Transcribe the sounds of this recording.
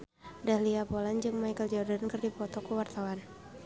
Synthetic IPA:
dahliapoland͡ʒɨŋmajkəld͡ʒɔdankərdipɔt̪ɔkuwart̪awan

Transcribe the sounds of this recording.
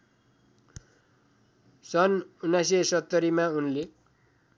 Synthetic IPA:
sʌnunːajs̬esʌt̪ːʌɾimaunle

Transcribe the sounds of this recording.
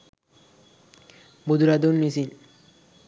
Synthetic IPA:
bud̪uɾad̪onmisin

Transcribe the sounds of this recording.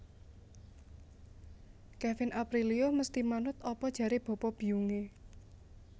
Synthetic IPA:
kɛfɪnʔapɾilioməst̪imanʊt̪ɔpɔd̥ʒ̥ä̤ɾeb̥ɔ̤pɔb̥i̤uŋe

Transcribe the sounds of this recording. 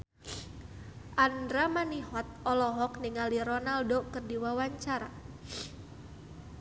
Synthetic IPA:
ʔandɾamaniɦɔt̪̚ɔlɔɦɔkniŋaliɾɔnaldɔkɨrdiwawaɲt͡ʃaɾa

